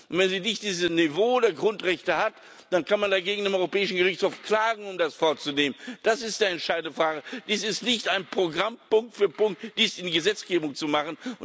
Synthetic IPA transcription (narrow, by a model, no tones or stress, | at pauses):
ntvɛnziːnɪçt̚d̥iːzəsnivoːdeːɐɡʁʊntʁɛçtəhat | d̥ankanmandaɡeːɡŋ̩deːmɔʏʁopɛːɪʃn̩ɡəʁɪçt͡shoːfkl̥aːɡŋ̩ʊmdasfɔɐt͡suneːmənd̥asɪstiːɛntʃaɪdn̩dəfʁ̥aːɡəd̥iːsɪstnɪçtʔaɪnpʁ̥oɡʁampʊŋk̚tfyːɐpʊŋtd̥iːsɪndiːɡəzɛt͡sɡ̥eːbʊŋt͡sumaχən̩ʊ